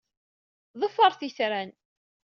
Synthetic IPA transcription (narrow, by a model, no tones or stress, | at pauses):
ðˤəfːəɾˤθisɾæn